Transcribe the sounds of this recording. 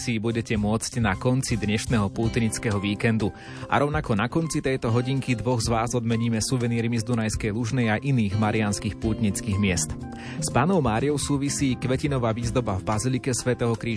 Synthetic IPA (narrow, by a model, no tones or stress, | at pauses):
siːbuɟɛcɛmʊɔt͡scnakɔnt͡sid̪ɲɛʃnɛɦɔpuːt̪ɲit͡skɛɦɔʋiːkɛnd̪u | ʔa̰ɾɔʊnakɔnakɔnt͡sit̪ɛjt̪ɔɦɔɟiŋkid̪ʋɔɣzʋaːzɔd̪mɛɲiːmɛsuʋɛniːɾimizd̪unajskɛjluʒnɛjaʔiniːɣmaɾɪanskiːxpuːt̪ɲit͡skiːɣmɪɛst̪ | spaːnɔʊmaːɾijɔʊsuːʋisiːkʋɛcinɔʋaʋiːzd̪ɔbavbazilikɛsʋɛt̪ɛɦɔkɾiː